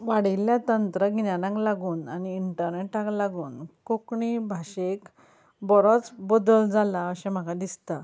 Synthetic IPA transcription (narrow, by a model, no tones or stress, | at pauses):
ʋaɽiljat̪ənt̪ɾəɡʱinjanãklaɡuːnaniːɳʈəɾneʈːaklaɡuːnkokɳibʱaɕek | bɔɾot͡sbod̪əld͡zalaəɕɛ̃m̤əkad̪ist̪a